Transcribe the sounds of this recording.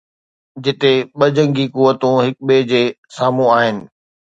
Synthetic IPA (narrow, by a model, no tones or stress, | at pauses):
d͡ʑɪt̪eɓɐd͡ʑə̃ŋɡikuʋət̪ũɦɪk̚ɓed͡ʑeː | saːmũaːɦɪnɪ̆